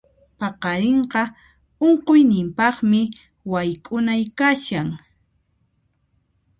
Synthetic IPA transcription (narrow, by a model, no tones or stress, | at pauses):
pɑqɑɾeɴqɑ | oɴqojnɪmpɑχmɪ | wajkʼʊnajkaʃaŋ